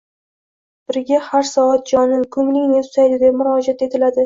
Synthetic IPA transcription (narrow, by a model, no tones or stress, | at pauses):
b̥ɪɾɡʲahaɾsɒat̪̚d͡ʒɒnɪnkʰʊmlɪŋʲnet̪ʰʊ̥sajd̪ɪd̪e̞pmʊɾɒd͡ʒat̪et̪ʰɪlad̪ɪ